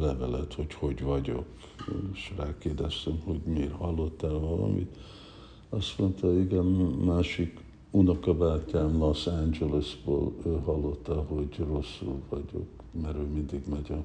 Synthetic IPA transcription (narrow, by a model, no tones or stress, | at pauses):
lɛvɛlɛt̪ho̞cho̞ɟvɒɟo̞̰k | ʃraːlkeːd̪ɛst̪ɛmho̞ɟmeːrhɒlːo̞t̪ːɛlvɒlɒ̰mḭt̪ | ɒst̪mo̞nt̪ɒiɡɛnːaːʃik | unokɒbaːcːaːmlɒsænd͡ʒɛlisbo̰ːløːɦɒlːo̞t̪ːɒɦo̞ɟro̞sːulvɒɟo̞̰k | mɛɾøːmind̪iɡmɛɟɛ